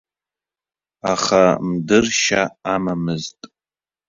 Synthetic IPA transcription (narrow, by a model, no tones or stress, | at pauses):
aχamdɨrʃaamamɨztʼ